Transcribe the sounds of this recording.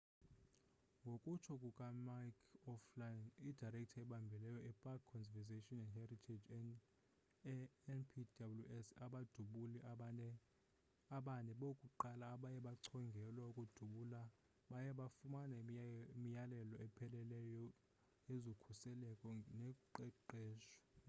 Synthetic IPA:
ŋɡʱokʼut͡ʃʰɔkʼukʼamakʰɔflajnidarɛk̚ʼtʰaɛɓambʱɛlɛjɔʔɛpʼakkʰːɔnvɛzeʃɔnɛndhɛritʰed͡ʒ | npʰidabuljuʔɛsaɓad̥ʱuɓulɛ | aɓanʼɛɓokʼuǃalaːɓajɛɓaǀʰɔŋɡʱɛlwaukʼud̥ʱuɓuːla | ɓajɛɓafumanamijalɛlɔɛpʰɛlɛlɛjɔ | jezokʰusɛlɛkʼɔnɛǃɛǃɛːʃɔ̥

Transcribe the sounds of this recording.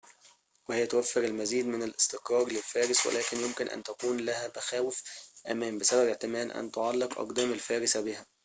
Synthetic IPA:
wehejːæt̪owæfːeɾelmæziːd̪mɪnælʔest̪ɪqɾˤɑːɾˤlelfæːɾɪswḛlʔæːkenjomkɪnʔæ̰nt̪ækuːnlæhæmæxæːwefʔæmæːmbesæbæbeʕt̪ɪmæːnʔæ̰nt̪oʕɑlːeqʔɑ̰qd̪æːmalfæːɾɪsæbihæ

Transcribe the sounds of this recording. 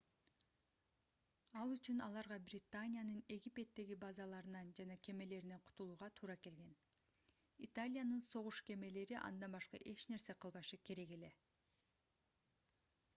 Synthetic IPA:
ɑlˠyt͡ʃynɑlˠɑɾʁɑbrʲɪt̪anʲɪjanɯne̞ɡʲipʲe̞t̪ːe̞ɡibɑzɑlˠɑɾɯnɑnd͡ʒɑnɑkʰe̞me̞le̞ɾine̞qʰu̥t̪ulˠuːʁɑt̪ʰuːɾɑke̞lɡe̞n | it̪alʲɪjanɯnso̞ʁuʃke̞me̞le̞ɾiʔɑ̰nd̪ɑnbɑʃqɑ̰ʔe̞t͡ʃne̞ɾse̞qʰɯlˠβɑʃɯkʰe̞ɾe̞ɡe̞le̞

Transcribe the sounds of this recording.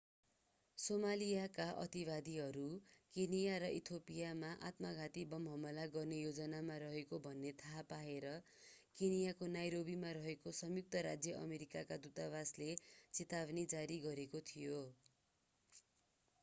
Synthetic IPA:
somalijakaʔʌ̰t̪ibad̪iɦʌɾukenijaɾʌʔit̪ʰopijamaʔa̰t̪maɡʱat̪ibʌmʱʌmʌlaɡʌrnejod͡zʌnamaɾʌɦekobʱʌnːet̪ʰaɦpaeɾʌ | kenijakonajɾobimaɾʌɦekosʌmjuk̚t̪ʌɾad͡zjʌʔʌ̰meɾikakad̪ut̪aβaslet͡sit̪abnid͡zaɾiɡʌɾekot̪ʰijo

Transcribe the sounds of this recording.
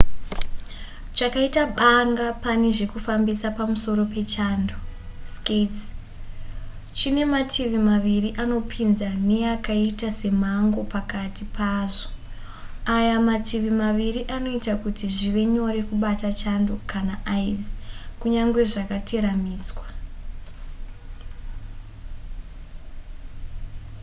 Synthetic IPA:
t͡ʃakaitaɓaŋɡapane̞ʐe̞kufambisapamuso̞ɾo̞pe̞t͡ʃandosket͡s | t͡ʃine̞matʰiʋimaʋiriʔano̞pʰinzane̞akaitase̞m̤aŋɡo̞pakatipʰaːʐo̥ | ajamatʰiʋimaʋiriʔano̞itakutiʐiʋe̞ɲo̞ɾekuɓatat͡ʃandokanaʔaizikuɲaŋɡwe̞ʐakatʰe̞ɾamiːzwa

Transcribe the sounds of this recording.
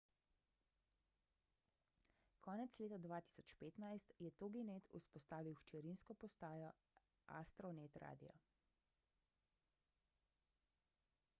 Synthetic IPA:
kʰɔːnɛt̪sleːt̪ad̪ʋaːt̪i̥ːsɔt͡ʃpeːt̪najst̪jɛt̪oɡinet̪ʰuspɔst̪aːʋiwʃt͡ʃɛɾinskɔpɔst̪aːjɔ | ʔa̰st̪ɾɔnet̪ɾa̰ːd̪ḭjɔ̰

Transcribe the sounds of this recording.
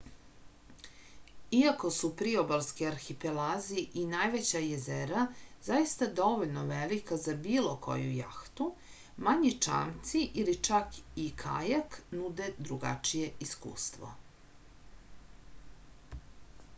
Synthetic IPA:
iako̞supɾiobalskiaɾxipelaziʔinajʋe̞t͡ɕajezeɾazajist̪ad̪o̞ʋo̞ʎnoʋelikazabiːlˠo̞kʰo̞̰jṵja̰xt̪u | maɲit͡ʂa̰ːmt̪siʔilit͡ʂakikʰa̰jaknud̪e̞d̪ɾuɡa̰t͡ʂije̞iskṵːst̪ʋo̰

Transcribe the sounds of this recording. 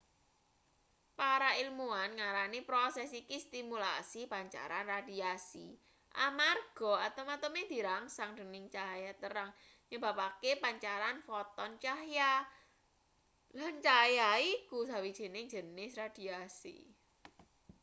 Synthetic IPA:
paɾailmuanŋaɾanipɾosɛsikist̪imula̰sipaɲt͡ʃa̰ɾanrad̪̥iasi | ʔa̰marɡ̥ɔ̤at̪amat̪əmed̪̥i̤ɾaŋsaŋd̥ə̤nɪŋt͡ʃajat̪əɾaŋ | ɲəb̥a̤pakepaɲt͡ʃaɾanfɔt̪ɔnt͡ʃahja | lant͡ʃajaikusawid̥ʒ̥e̤nɪŋd͡ʒ̥ə̤nɪsrad̪̥i̤asḭ

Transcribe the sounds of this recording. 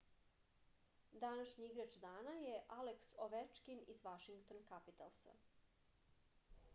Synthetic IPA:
d̪anaʃɲiiɡɾat͡ʃd̪aːnajeʔaleksoʋet͡ʃkinizʋaʃiŋɡt̪onkapit̪a̰lˠsa̰

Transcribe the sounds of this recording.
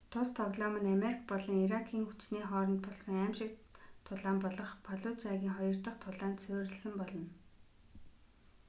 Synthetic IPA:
t̪ʰʊst̪ʰɔɣɮɔmə̆nameɾikpɔɮɞ̆ŋiɾakʰiːŋxut͡ɕniːχɔːɾɞ̆nt̪̚pɔɮsɞ̆ŋæmʃɪ̆k̚t̪ʰʊɮaːmpɔɮɞ̆χpʰaɮʊt͡ɕaɣʲiːŋχɔjɞ̆r̥t̪ə̆χt̪ʰʊɮaːnt̪t͡sʰʊːɾɘ̆ɮsə̆mpɔɮɞ̆n

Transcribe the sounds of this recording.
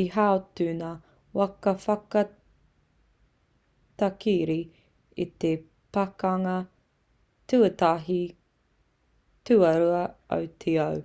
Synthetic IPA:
iɦaotʉna | wɐkɐfɐkɐ | t̪akiɾi | it̪e | pakɐŋɐ | tʉɐtaɦi | tʉɐɾuɐɐ̰wt̪ʰeɐw

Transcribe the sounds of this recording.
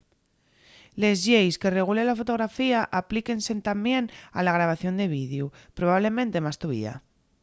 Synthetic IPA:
le̞zʝejske̞re̞ɣ̞ulelafo̞t̪o̞ɣ̞ɾafiaʔaplike̞nse̞nt̪ambje̞na̰laɣ̞ɾaβ̞aθjo̞nd̪eβ̞iðjupɾoβaβle̞mẽnt̪e̞mast̪uβḭa̰

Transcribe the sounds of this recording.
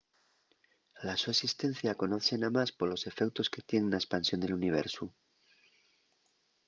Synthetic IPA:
lasuesist̪e̞n̟θjako̞no̞θe̞namaspo̞lo̞se̞fe̞kt̪o̞ske̞t̪je̞nenaespansjo̞nd̪e̞luniβ̞e̞̰ɾsu

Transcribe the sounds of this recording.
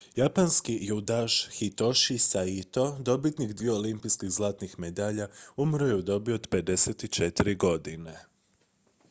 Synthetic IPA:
japanskijud̪aʃxit̪o̞ʃisait̪o̞d̪o̞bit̪nikd̪ʋijo̞olimpijskiɣzlˠaːt̪nixmed̪aːʎaumɾojeud̪o̞bioːd̪pe̞d̪e̞set̪it͡ʃe̞t̪iɾiɡo̞d̪ine̞

